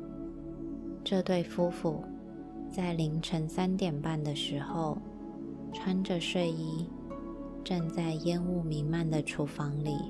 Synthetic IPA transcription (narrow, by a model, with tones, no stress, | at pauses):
ʈ͡ʂɤ˥˧t̪we˥˩ɪfu˥fu˨˩ | t͡sa˥˩ɪli˧˥ŋʈ͡ʂʰə˧˥ŋsa˥nt̪jɛ˨˩npa˥˩nd̪ə˩ʂɻ̩˧˥xo˥˧ʊ | ʈ͡ʂʰwa˥nʈ͡ʂə˨ʂwe˥˩ɪi˥ | ʈ͡ʂa˥˧ŋt͡sa˥˩ɪjɛ˥nu˥˩mi˧˥ŋma˥˩nd̪ə˩ʈ͡ʂʰu˧˥fɑ˧˥ŋli˨˩